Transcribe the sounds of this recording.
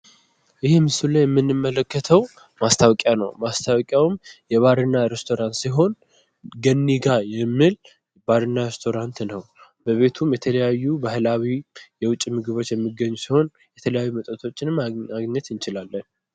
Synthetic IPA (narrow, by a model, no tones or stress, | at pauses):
ʔɨhimɨsulajɛmːɨnːɨmːələkːət̪ʰəw | mast̪ʰawkʼjanə̰wmast̪ʰawkʼjawɨmjɛβaɾɨnːaɾest̪ʰo̞ɾant̪siɦo̞n | ɡənːiɡajɛmːɨl | baɾɨnːaɾest̪ʰo̞ɾant̪nəw | bəβe̞t̪ʰumjɛt̪ʰələjajːubahlawijɛwʊt͡ʃʼːimɨɡɨβo̞t͡ʃːjɛmːɨɡəɲːusiho̞n | jɛt̪ʰələjajːumət̪ʼət̪ʰo̞t͡ʃːɪnaɡɲɛt̪ɨnt͡ʃɪlalːən